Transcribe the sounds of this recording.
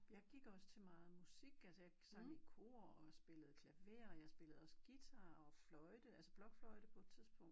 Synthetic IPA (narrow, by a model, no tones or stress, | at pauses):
jɑ̈ɪɡ̥iɡ̥ɒ̽sə̥t͡sʰe̝lmɑ̈ːð̩ˠmusiɡ̥ælsəjɑ̈ɪsɑ̈ɡ̥ikʰo̝̰ːɐɒ̽sb̥e̝ləð̞̩ˠkʰlæʋe̝̰ɐɒjɑ̈sb̥e̝ləð̩ˠɒ̽səɡ̥it͡sʰɑ̈ːɒ̽flɒ̽ɪd̥əælsəb̥lɒ̽ɡ̥flɒɪd̥əpʰɒ̽ed̥t͡sʰiðˠsb̥ɔ̽ŋ̰d̥